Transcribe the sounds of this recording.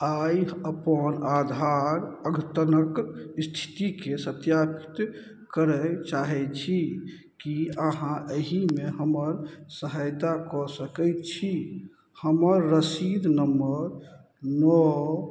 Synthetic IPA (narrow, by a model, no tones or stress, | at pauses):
ajəpənad̪ʱaɾəɡʱət̪ənəkst̪ʰi̥t̪ikesət̪japi̥t̪ | kəɾət͡ʃaɦɛt͡ʃʰi | kiəɦãʔəɦimeɦəməɾsəɦajt̪akɔsəkɛjtt͡ʃʰi | həməɾːəsid̪ʱnəmbəɾ | nɔ